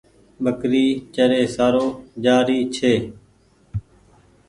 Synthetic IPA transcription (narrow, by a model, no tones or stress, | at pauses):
ɓəkɾiːt͡ʃəɾeːsaːɾoːd͡ʒaːɾiːt͡ʃʰeː